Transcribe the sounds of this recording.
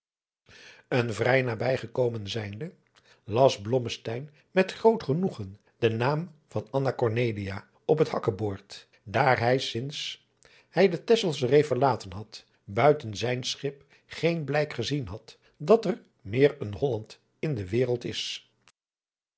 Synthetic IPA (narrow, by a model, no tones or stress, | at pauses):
ənvrɛjnaːbɛjχəkowmənzɛjndə | lɑsblɔməstɛjn | mɛtχrowtχənuχən | d̥ənaːmv̥ɑnɑnakɔɹnejlijaː | ɔpɦəthɑkəboːɹt | daːɹɦɛjsɪns | hɛjdətɛsəlˠsrejfəɹlaːtənɦɑt | bœɥtənzɛjnsχɪp | χejnblɛjkχəzinɦɑt | dɑtəɹ | mɪːɹənɦɔlɑnt | ɪndəʋɪːrəlˠtɪ̰s